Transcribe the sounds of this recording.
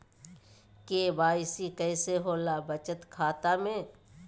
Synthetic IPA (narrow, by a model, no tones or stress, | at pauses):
keːbaːɪsikɛːseɦoːlabət͡ʃət̪kʰaːt̪amẽː